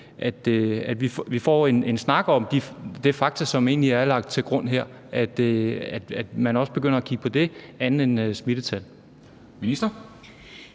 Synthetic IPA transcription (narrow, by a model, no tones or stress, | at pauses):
ʔæd̥æd̥ʋifʋifɒ̰ːe̝ne̝nsnɑ̈ɡ̥ɒ̽md̥id̥e̝fɑ̈ɡ̥̚t͡sʰɐsɒ̽me̝ːnliæɐlɑ̈ɡ̥̚d̥̚t͡sʰe̝lɡ̥ʁɔ̽n̰ɦeɐ̰ | æd̥æd̥æd̥mænɒ̽sb̥e̝ɡ̥øn̰ɐækʰiɡ̥əpʰɒ̽d̥e̝ænð̩ensmid̥ət͡sʰæl | minisd̥ɐ